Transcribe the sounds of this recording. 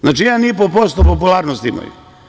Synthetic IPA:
znaːt͡ʃijaːnipopost̪opopulˠaːɾnost̪ima̰jṵ

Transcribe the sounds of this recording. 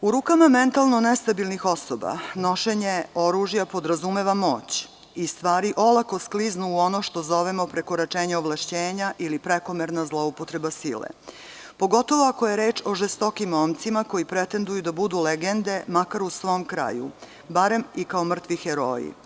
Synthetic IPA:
uɾuːkamament̪alˠno̞nest̪abilˠnixo̞soba̰no̞ʃeɲe̞o̞ɾuʒjapo̞d̪ɾazume̞ʋamo̞ːt͡ɕ | ist̪ʋaːɾiʔo̞lˠako̞skliznuːo̞noʃt̪o̞zo̞ʋemo̞pɾeko̞ɾat͡ʃeːɲeoʋlˠaʃt͡ɕeːɲaʔilipɾeko̞meɾnazlˠoupot̪ɾe̞basilḛ | po̞ɡo̞t̪o̞ʋo̞akoje̞ɾe̞ːt͡ʃo̞ʒest̪o̞kimomt̪simako̞jipɾet̪e̞nd̪ujud̪abud̪uleɡend̪e̞makaɾusʋo̞ːmkɾa̰ːjṵ | baɾe̞mikaomr̩t̪ʋixeɾo̰ːḭ

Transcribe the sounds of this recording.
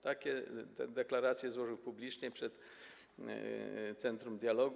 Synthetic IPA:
t̪akʲɛd̪ɛklaɾat̪sʲjɛzwɔʐɨwpublʲit͡ʂɲɛpʂɛt̪ | t̪sɛnt̪ɾumd̪ʲjalɔɡ

